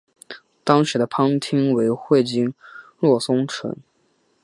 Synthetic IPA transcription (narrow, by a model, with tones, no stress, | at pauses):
t̪ɑ˥ŋʂɻ̩˧˥d̪ə˧pʰɑ˥ŋt̪ʰi˥ŋwe˧˥ɪxwe˥˩ɪt͡ɕi˥nlwɔ˥˩sʊ˥ŋʈ͡ʂʰə̰˧˥n